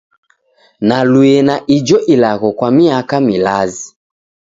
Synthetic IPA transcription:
naluɛnaʔid͡ʒɔʔilaɣɔkwamiakamilazi

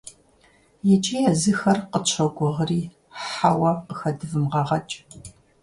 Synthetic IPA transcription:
jɛt͡ʃʼiːjɐzɨxɐrqət͡ʃʷʰɐɡʷʊʁriː | ħawɐqəxɐdɨvɨmʁɐʁɐt͡ʃʼ

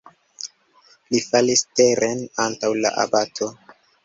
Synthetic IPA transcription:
lifalisteɾʔenantawla̰ʔa̰batʰo̞

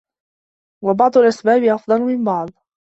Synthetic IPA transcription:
wɑbɑʕd̪ˤʊlʔasbaːbɪʔɑfd̪ˤɑlʊmɪmbɑʕd̪ˤ

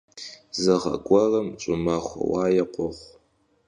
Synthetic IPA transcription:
zɨʁɐ̰ɡʷʼɔrɐmt͡ʃʼʊmaχʷɐ̰waːjɛqʷɔʁʷ

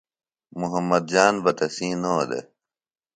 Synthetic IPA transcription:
muɦɐmːɐd̪̚d͡ʑaːnbɐt̪ɐsĩːnoːd̪ḛ

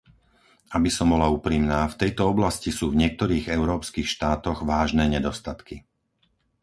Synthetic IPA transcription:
abisɔmbɔlauːpɾiːmnaːft̪ɛjt̪ɔɔblascisuːvɲɪɛk̚t̪ɔɾiːɣɛʊɾɔːpskiːxʃt̪aːt̪ɔɣʋaːʒnɛːɲɛd̪ɔst̪at̪ki

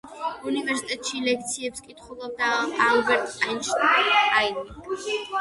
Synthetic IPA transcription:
univɛɾsit̪ʼɛt̪ʼʃilɛk̚ʰt̪sʰiɛpskʼit̪ʰχwɛlˠɔb̚d̪aalˠbɛɾt̪ʼanʃajni

